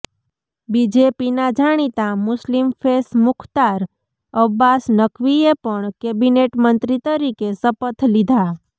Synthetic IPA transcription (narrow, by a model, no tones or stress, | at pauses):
bid͡ʒepinad͡ʒaɽ̃it̪amʊslimpʰesmʊkʰt̪aɾ | əbːasnəkʰʋiepəɳkebineʈmənt̪ɾit̪əɾikesəpət̪ʰlid̪ʱa